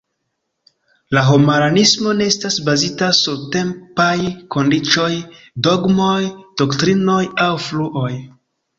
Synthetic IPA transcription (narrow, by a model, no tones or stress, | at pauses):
laɦomaɾanismo̞ne̞estasbazitasuɾte̞mpajko̞ndit͡ʃo̞j | do̞ɡmo̞jd̥o̞ktɾino̞jawfluʔo̞j